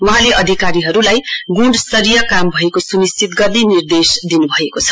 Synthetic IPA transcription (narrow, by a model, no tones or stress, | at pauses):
wʌɦãleʔʌd̪ʱikaɾiɦʌɾulajɡuɖst̪ʌɾijʌkambʱʌekosunist͡sʰit̪ɡʌrd̪inird̪esd̪inubʱʌekot͡sʰʌ̥